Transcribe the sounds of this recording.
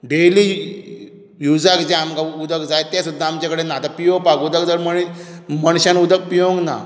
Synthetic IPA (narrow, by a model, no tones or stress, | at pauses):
ɖeli | jud͡zakd͡ʑeamkaud̪əkd͡zajt̪jasud̪ʱːaamt͡ɕakəɽenat̪apijõpakud̪əkd͡zaməɽiməɳɕãnud̪ək̚pijõŋɡna̰